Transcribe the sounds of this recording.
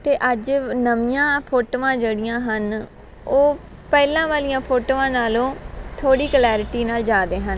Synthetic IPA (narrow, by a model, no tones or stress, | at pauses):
t̪eːʔəd͡ʒnəʋɪjãːpʰoːʈoːãːd͡ʒeːɽɪjãːɦən | oː | pɛːlãːʋaːlɪjãːpʰoːʈoːãːnaːlõːt̪ʰoːɽiːklɛːɾɪʈiːnaːld͡ʒaːd̪ẽːɦən